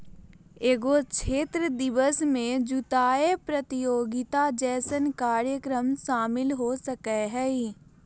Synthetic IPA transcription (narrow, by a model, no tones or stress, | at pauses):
eːɡot͡ʃʰeːt̪ɾəd̪ɪʋəsmẽd͡ʒʊt̪aːepɾət̪ɪjoːɡɪt̪ad͡ʒɛːsənkaːɾjəkɾəmʃaːmɪlɦosəkeɦɛi